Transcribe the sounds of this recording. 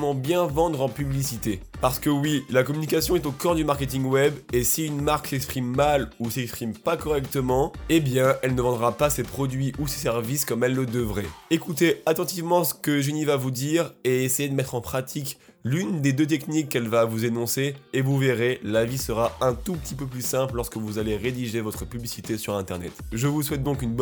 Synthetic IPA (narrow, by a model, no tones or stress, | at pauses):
mɑ̃bjɛ̃vɑ̃d̪ʁɑ̃pyblisit̪epaʁsə̥kəwilakɔmynikasjɔ̃ɛt̪okɔ̃ʁd̪ymaʁkʲet̪iŋwɛbesiynmaʁksɛkspχimːalusɛkspχimpakɔʁɛkt̪əmɑ̃ebjɛ̃ɛlnəvɑ̃d̪ʁapasepχɔd̪ɥiʔuse̥sɛʁviskɔmɛlːəd̪əvʁɛekut̪eat̪ɑ̃t̪ivmɑ̃sə̥kəʒenivavud̪iʁeesejed̪əmɛt̪χɑ̃pχat̪ʰik | lynd̪ed̪øt̪̬ɛknikːɛlvavuzenɔ̃seevuveʁelavisəʁaɛ̃t̪upt̪ipøplysɛ̃pllɔʁskəvuzaleʁed̪iʒevɔt̪χəpyblisit̪esyʁɛ̃t̪ɛʁnɛ̰t̪ʒəvuswɛt̪̚d̪ɔ̃kynb